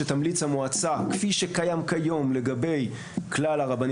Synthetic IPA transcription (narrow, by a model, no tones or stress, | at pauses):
et̪amlit͡shamoat͡sakfiʃekajamkajo̞mle̞ɡabe̞j | klalaʁaban